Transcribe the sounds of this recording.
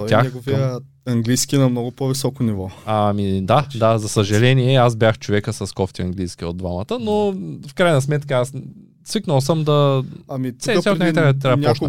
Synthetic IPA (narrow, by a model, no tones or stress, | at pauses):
t̪t̪ʲjaxɛɡoviə | ɐŋɡlijskʲinɐmnɔɡʊpovisɔkonivɔamid̪ad̪azɐsɐʒɐlɛniɛaz̬bʲjaxt͡ʃovɛkəsɐskɔft̪iɐ̰ŋɡlijsk̟ʲio̰d̪vamɐt̪ənofkɾajnɐsmɛt̪kəas | sviknəlˠs̬əmd̪ɐɐmisɛsɛk̪naaɾat̪ɾanʲɔʃ